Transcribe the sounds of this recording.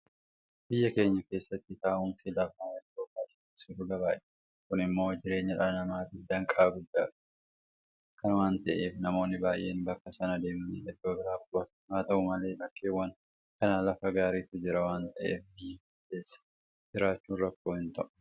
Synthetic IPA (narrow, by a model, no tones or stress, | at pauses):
b̥ɪjːɐke̞ːɲːɐke̞ːsːɐt̪ːɪt̪aːʔʊnsilɐfmaːɐd̪oːkʼːaːt̪ɪ̥ | sʊɾʊɡɐbaːʔ | kʊnɪmːo̞ːd͡ʒɪɾe̞ːɲːɐᶑɐɐnɐmaːt̪ɪfd̪ɐŋkʼaːɡʊd̪ːaːᶑɐ̥ | kɐnwaːnt̪ɐʔeːfnɐmo̞ːnːɪbaːjʔe̞ːnbɐkːɐsɐnɐd̪e̞ːmmḭːᶑɛd̪oːbɪɾaːbʊɐt̪maːt̪ɐʔʊmɐleːlɐkːeːwːɐn | kɐnaːlɐfɐɡaːɾiːt̪ʊd͡ʒɪɾɐwaːnt̪ɐʔe̞ːfbɪjːɐ | eːsːɐ̥ | d͡ʒɪɾaːt͡ʃːuːnrɐkːo̞ːhɪnt̪ɐʔ